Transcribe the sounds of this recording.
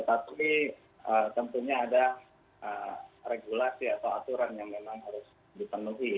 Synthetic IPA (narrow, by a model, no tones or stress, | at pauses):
t̪ət̪api | ət̪əmpurɲaːda | ʔəreɡulasiat̪awat̪uɾanjaŋmemaŋɦaɾʊs | dipənuɦi